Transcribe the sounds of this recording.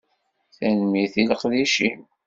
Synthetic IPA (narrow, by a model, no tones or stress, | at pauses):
θænmiθiləqðiʃim